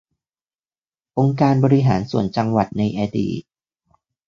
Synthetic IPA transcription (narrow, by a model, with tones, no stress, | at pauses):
ʔo˧ŋkaː˧nbɔː˧ɾi˦˧ɦaː˩˦nsu˨˩ənt͡ɕa˧ŋwa˨˩t̪̚na˧jʔaː˧dḭː˨˩t̪̚